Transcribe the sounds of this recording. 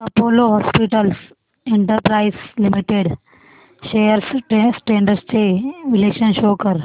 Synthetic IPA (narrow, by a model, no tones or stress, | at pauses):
ɐpoːloɦɔːspiʈəls | ẽɳʈəɾpɾaːɪslɪmiʈeɖ | ʃeːjəɾssʈẽːɳɖəɾsteːʋɪleːkʃənʃoːkɐɾ